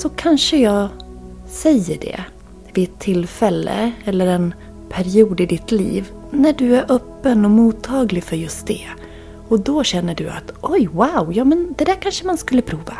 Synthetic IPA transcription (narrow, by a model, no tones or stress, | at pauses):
sɔkʰanʂəjɑːɡ | sɛjːəɖɛ̰ | vɪɛt̪ʰːɪlfɛlːə̰ɛlːəɾɛn | pʰæɾɪuːd̪ɪd̪ɪt̪lḭːv | næɖɵæɾʔœːpːənɔmuːt̪ʰːɑːɡlɪfœɾjɵst̪̚d̪ɛ | ɔd̪ɔɕɛnːəɖɵa̰t̪ʔɔjwaʊjɑːmɛnd̪ɛd̪æːɾkʰanʂəmanskɵlːəpʰɾuːva